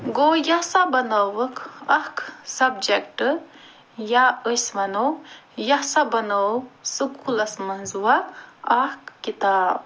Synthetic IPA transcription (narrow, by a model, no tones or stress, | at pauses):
ɡoːjɐsabɐnɐwɐkʰɐhksɐbd͡ʒekʈɨ | jaəsmɐnɐwjɐsabɐnɐwsɨkʰulɐsmɐnzuwɐɐhkːit̪aːb̚